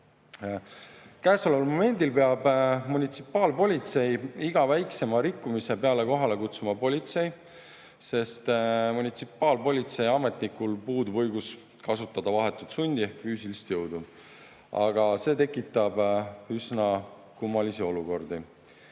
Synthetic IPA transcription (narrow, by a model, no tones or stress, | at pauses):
kæːso̞levɑlmo̞me̞nʲd̪ilpe̞ɑbmunʲit̪si̥pːˑɑːlpo̞lʲit̪se̞jiɡ̥ɑvæjkse̞mɑɾikːumise̞pe̞ɑle̞ko̞ɦɑle̞kut̪sumɑpo̞lʲit̪se̞j | se̞st̪munʲit̪sipːˑɑːlpo̞lʲit̪se̞jɑme̞t̪ˑnikulpuːd̪uvɤjɡus | kɑsut̪ːˑɑd̪̥ɑvɑɦe̞t̪ːˑut̪sunʲd̪̥ie̞hkfyːsilist̪jɤwd̪̥u | ɑ̰ɡ̥ɑse̞ːt̪e̞kːˑit̪ːˑɑb̥ysnɑ | kumːɑlisio̞luko̞rd̪i